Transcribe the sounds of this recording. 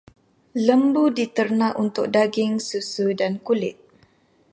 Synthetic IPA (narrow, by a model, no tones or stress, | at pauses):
ləmbudit̪ərnãʔunt̪ʊk̚daɡɪŋsusudankulɪt̪̚